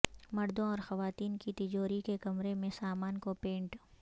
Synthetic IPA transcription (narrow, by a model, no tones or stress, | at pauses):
mɐɾd̪õɔːɾxɐʋaːt̪iːnkit̪ɪd͡ʒoːɾikekɐmɾemẽsaːmaːnkopẽːɳʈ